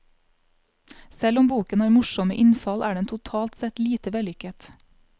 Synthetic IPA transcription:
sɛlɔmbuːkənɑːɾmʊʃɔməʔɪnfɑlʔæːɖɛnt̪ʰʊt̪ʰɑːlt̪sɛt̪liːt̪əʋɛlʏkət̪

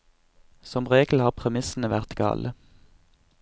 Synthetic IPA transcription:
sɔmʁeːɡl̩hɑːʁpʰʁɛmɪsn̩əʋæʁt̪ɡɑ̰ːlʔə

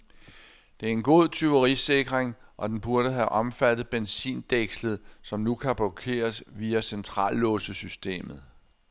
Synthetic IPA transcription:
d̥e̝æɐe̝nɡ̥o̝ð̞̰ˠt͡sʰyʋɐʁise̝ɡ̥ʁeŋʔɒ̽d̥enb̥uɐɾəɦæʔɒ̽mfæd̥ð̩ˠb̥ensḭːnd̥eɡ̥slð̩ˠsɒ̽mnukʰæb̥lɒkʰe̝̰ːɐsʋiːæsent͡sʰʁɑ̰̈ːlːɔ̽ːsəsysd̥e̝̰ːmð̞̩ˠ

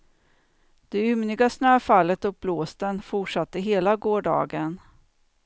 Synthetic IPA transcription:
d̪̥ɛʏmnɪɡasnøːfalːət̪ɵk̚bloːst̪ənfʊʈʂat̪ːəɦeːlaɡoːɖɑ̰ːɡən

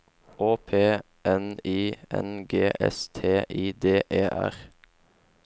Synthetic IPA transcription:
oːpʰeː | ɛniːɛ̰nɡeːʔɛ̰st̪ʰeːʔiːd̪eːʔeːʔæ̰ʁ

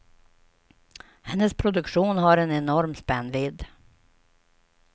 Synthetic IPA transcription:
hɛnːəspʰɾʊd̪ɵkʂuːnɦaɾɛnɛnɔɾmspɛnːvɪd̪

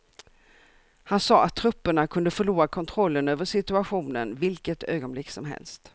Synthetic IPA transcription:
hansɑːʔat̪ʰːɾɵpːəɳakʰɵnd̪əfœɭuːɾakʰɔnt̪ʰɾɔlːənøːvəʂɪt̪ɵaɧuːnə̰nvɪlkət̪ʰø̰ːɡɔnblɪkːsɔmɦɛ̰lst̪

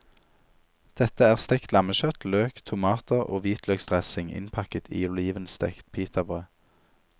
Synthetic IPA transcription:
d̪̥ɛt̪əæːʁst̪ɛkt̪lɑməʃœt̪løːkt̪ʰʊmɑːt̪əʁo̰ːʋiːt̪ʰløːɡst̪ʁɛsɪŋɪ̰npʰɑkət̪ʰḭːʊliːʋənst̪ɛ̰kt̪pʰiːt̪ʰɑbʁøː

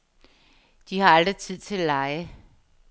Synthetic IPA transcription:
d̥ihɑ̈ɑld̥ʁit͡sʰið̰ˠt͡sʰe̝ælɑɪə

